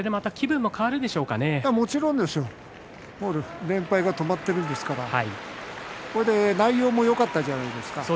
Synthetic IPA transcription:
d̪e̞mat̪akʲibɯ̟̃mːo̞kaβaɾɯ̟d̪e̞ɕo̞ːkane̞amo̞t͡ɕiɾõ̞nd̪e̞sɨo̞ | moɾɯɾẽ̞mpaiɡat̪o̞mat̪ːe̞ɾɯ̃nd̪esɨ̥kaɾaha̰ḭ | koɾed̪e̞naijo̞ːmo̞jo̞kat̪ːaʑanaid̪e̞sɨ̥kasoː

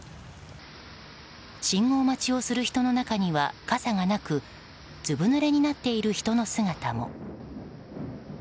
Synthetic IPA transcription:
ɕĩŋo̞ːmat͡ɕio̞sɨɾɯ̟çi̥t̪o̞no̞nakaɲ̟iβa̰kasaŋanakɯ̟ | d͡ʑɨbɯ̟nɯɾe̞ɲ̟inat̪ːe̞iɾɯ̟çi̥t̪o̞no̞sɨŋat̪amo̞̰

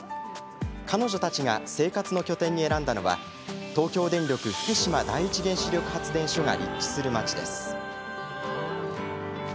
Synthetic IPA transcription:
kʰano̞ʑo̞t̪at͡ɕiɡa̰se̞ːkat͡sɨno̞kʲo̞t̪ẽ̞ɲ̟ːie̞ɾãnd̪ano̞βa̰ | t̪o̞ːkʲo̞ːd̪ẽ̞ɲɾʲjokɯ̟ɸɯ̟̥kɯ̟ɕimad̪aiːt͡ɕiɡẽ̞ɰ̃ɕiɾʲo̞kɯ̟̥hat͡sɨd̪ẽ̞ɰ̃ɕo̞ŋa̰ɾʲḭkʲːi̥sɨɾɯ̟mat͡ɕid̪e̞̰sɨ̥

